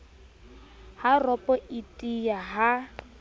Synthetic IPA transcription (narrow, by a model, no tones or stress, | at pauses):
harɔpʼɔʔitʼijaɦa